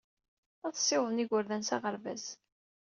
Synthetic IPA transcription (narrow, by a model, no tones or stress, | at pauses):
æθsˤːɪwðˤniʝəɾðænsaʁəɾvæ̰z